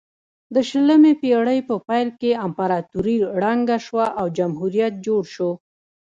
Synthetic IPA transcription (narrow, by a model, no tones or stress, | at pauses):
d̪əʃələmepeɽəjpəpajlkeampaɾɑt̪uɾiɽɑŋɡaʃwaʔawd͡ʒamɦuɾijat̪̚d͡ʒoɽʃo